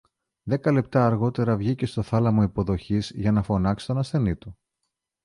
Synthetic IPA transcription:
ðe̞kɐle̞p̚t̪ɐːɾɣo̞t̪e̞ɾɐvʝice̞st̪o̞θɐlɐmoipo̞ðo̞çizʝɐnɐfo̞nɐksi̥t̪o̞nɐsθe̞nit̪u

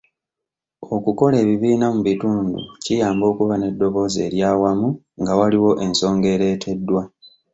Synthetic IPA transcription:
o̞kuko̞le̞ːβiβiːnamuβituːndṵcijaːmbo̞ːkuβane̞dːo̞βo̞ːze̞ːɾjaːwamu | ŋɡawaliwo̞ʔe̞nso̞ːŋɡe̞ːɾe̞ːtʰe̞dːwa

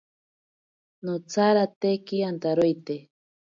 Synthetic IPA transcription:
not͡saɾat̪ekiant̪aɾojt̪e

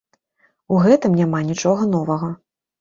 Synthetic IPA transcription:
uɣɛt̪ɨmnʲamanʲit͡ʂɔɣɐn̪ɔvɐɣɐ

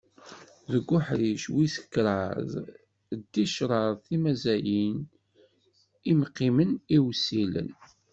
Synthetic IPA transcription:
ðəɡʷːʊħɾiʃwisə̥kːɾˤəð | d̪ːiʃɾˤɑɾˤθimæzæjin | imqːiməniwsilə̰n

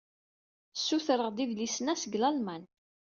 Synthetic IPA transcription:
sːuθɾˤəʁd̪ivlisnæsəɡlælmæn

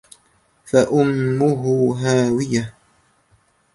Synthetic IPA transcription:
faʔʊmːʊɦʊɦaːwɪja

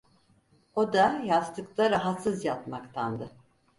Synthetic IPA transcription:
od̪ajat̪ʰːɯklˠaɾaɦat̪sɯzjat̪makt̪ʰand̪ɯ

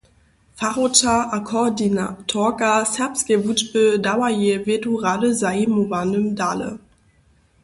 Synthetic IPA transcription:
faʁotaakʰɔdinatʰɔkasɛpskevutbədawajevetuʁadəzaimuvanəmdalə̰

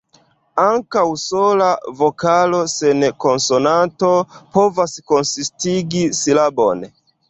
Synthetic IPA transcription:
aŋkawsolavokalo̞senko̞nsonanto̞povasko̞nsistiɡisilabo̰n

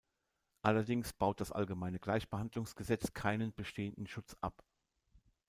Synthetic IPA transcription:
ʔalɐdɪŋsb̥aʊt̚d̥asʔa̰lɡəmaɪnəɡlaɪçb̥əhandlʊŋsɡ̥əzɛt͡skʰaɪnənbəʃtʰeːəndn̩ʃʊt͡sʔa̰p

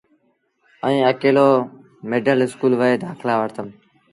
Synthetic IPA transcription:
əĩːəkeːloː | meːɖəlɪskuːlʋəeːd̪ʱaːkʰlaːʋəɾt̪əm

